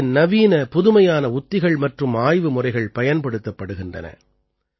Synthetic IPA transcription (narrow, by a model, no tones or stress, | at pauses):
nɐʋiːnɐpʊðɯmɐjaːnɐʊt̪ːɪɣɐɭmɐʈrɯmaːjʋɯmʊrɐɪɣɐɭpɐjɐnpɐɽɯt̪ːɐpːɐɽɯɣɪndrɐ̰nɐ̰